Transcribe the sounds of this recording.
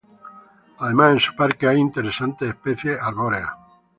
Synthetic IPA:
aðe̞masensu̥paɾkeajint̪eɾesant̪eːhpeθjeʔaɾβoɾea̰

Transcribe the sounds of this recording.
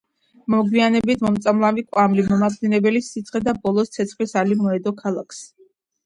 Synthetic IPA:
mɔɡwianɛbit̪ʰmɔmt̪sʼamlˠavikʼwamlimɔmadinɛbɛlisit̪sʰʼχɛd̪abɔlˠɔst̪sʰɛt̪sʰχlisalimɔɛd̪ɔkʰalˠakʰs

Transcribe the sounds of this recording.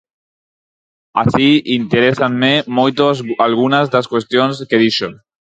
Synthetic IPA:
a̰siint̪eɾesanmemojt̪oalɣunazðaskwest̪jonskeðiʃo

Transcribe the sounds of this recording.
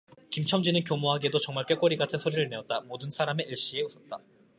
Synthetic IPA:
kimt͡ɕʰʌŋd͡ʑinɯnkjomoɦaɡiedot͡ɕʌŋmaɭk͈ek͈ʌɾiɡatʰɯnsʰoɾiɾɯɭne̞ʌt̚t͈amodɯnsʰaɾame̞iɭɕ͈ie̞usʰʌt̚t͈a

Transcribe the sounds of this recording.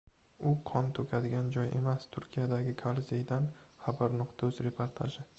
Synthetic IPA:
ʊqʰɒnt̪ʰɵkʲʰad̪ɪɡʲand͡ʒɒjʔe̞̰mast̪ʰʊɾkʲijad̪aɡʲɪkʰalzejd̪anhabaɾnʊqt̪ʰɵzɾe̞pʰoɾt̪ʰa̰ʒɪ

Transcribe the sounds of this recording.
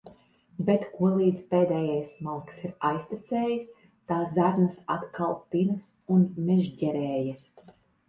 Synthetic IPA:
bet̪kuɔlˠiːd̪zpeːd̪ɛːjajsmalˠksiɾajsʲt̪it̪sɛːjəs | t̪aːszaɾnɐsa̰t̪kʰalˠpinɨs | unmɛʒɟɛɾɛːjas

